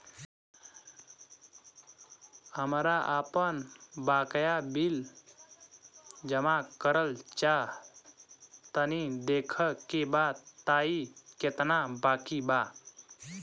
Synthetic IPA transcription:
həmɾaʔapənbakjabil | d͡ʒəmakəɾəlt͡ʃa | t̪ənid̪ekʰəkebat̪aiket̪nabakiba

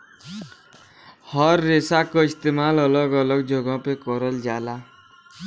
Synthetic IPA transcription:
hɔɾːesakoɪst̪eːmaːlɔlɔɡɔlɔɡd͡ʒʱoɡɔ̃pekɔɾəld͡ʒaːla

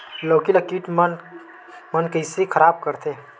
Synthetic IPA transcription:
loːkiləkiʈmn | mənkəɪsekʰəɾab̚kəɾt̪ʰe

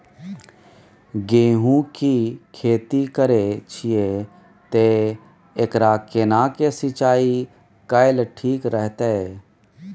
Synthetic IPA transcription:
ɡeːɦũkikʰeːt̪ikəɾet͡ʃʰije | t̪e | ekɾaːkɪnaːkesɪt͡ʃaːi | kəɪlʈʰiːkɾəɦt̪e

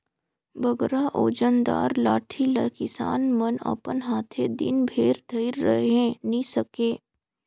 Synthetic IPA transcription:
bʱəɡɾaʔoːd͡ʒənd̪a̰ːɾlaːʈʰilɐkɪsa̰ːnmənə̰pənɦaːt̪ʰed̪ɪ̰nbʱeːɾd̪ʱəiɾːə̰ɦẽnisəkeː

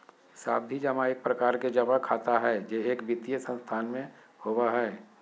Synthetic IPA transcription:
sa̰ːbd̪ʱid͡ʒɐmaɪk̚pɾəkaːɾked͡ʒɐbakʰaːt̪aɦɛːd͡ʒeeːkbɪt̪ijəsə̃nst̪ʰaːnmẽ | howaɦɛː

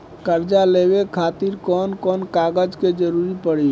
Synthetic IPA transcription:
kəɾd͡ʒalebekʰat̪iɾkɔnkɔnkaɡəd͡ʒked͡ʒəɾuɾipəɽi

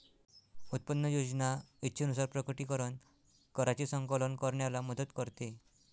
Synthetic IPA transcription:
ut̪̚pənːəjod͡znaitːɕʰənusaɾpɾəkəʈikəɾən | kəɾat͡ɕisə̃ŋkələnkəɾɳjalaməd̪ət̪kəɾt̪e

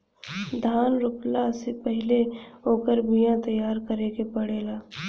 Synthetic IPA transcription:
d̪ʱaːnɾʊplasepəɦɪleɦoːkəɾbijãt̪ɐjːaːɾkəɾekepɐɽeːlaː

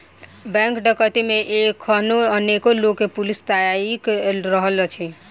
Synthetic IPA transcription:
bɛ̃ŋkɖəkət̪imeʔekʰːənoənekolokːepulist̪ajaikɾəɦəlt͡ʃʰi

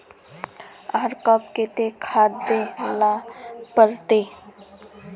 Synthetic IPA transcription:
aːɾkəp̚ket̪ekʰaːd̪elapəɾt̪e

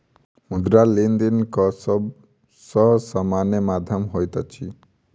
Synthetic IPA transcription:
mud̪ɾalind̪inkɔsɔb | sɔsamanjəmad̪ʱjɔmɦojt̪at͡ʃʰi

